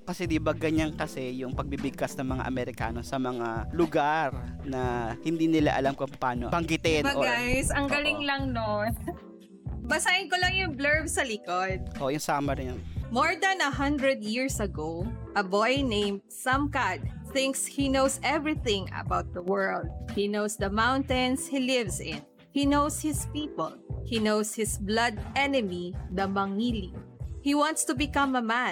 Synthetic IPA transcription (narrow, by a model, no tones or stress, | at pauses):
kɐsɛd̪ɪbaɡɐɲankɐsɛjʊŋpɐɡ̚bibɪɡ̚kasnɐŋmɐŋa̰ʔɐ̰mɛɾɪka̰ːno̞sɐmɐŋalʊɡaɾnɐhɪnd̪iːnɪla̰ʔɐlamkʊŋpɐpaːno̰pɐŋɡɪt̪ɪnbɐɡasʔɐŋɡɐlɪŋlɐŋnon | bɐsaɪnkolɐŋjʊŋblɛɹbsɐlɪkod̪̚ʔʔojʊŋsaːmɐɾɪnɐnmoɹd̪ɐnɐɦɐnd̪ɹɛd̪̚jiɹsɐɡowʔɐbɔjnẽjmd̪sɐmkad̪̚ | θɪ̃ŋkshinowsɛvɹiθɪ̃ŋɐ̰bawt̪̚d̪ɐwɜ˞ld̪̚hinowsd̪ɐmãwnt̪ɛ̃nshilɪvsɪ̃n | hinowshɪspipɔlhinowshɪsblɐd̪̚ɛnɛmid̪ɐmɐŋilihiwɑ̃nt̪st̪ʊbɪkɐ̃mɐmã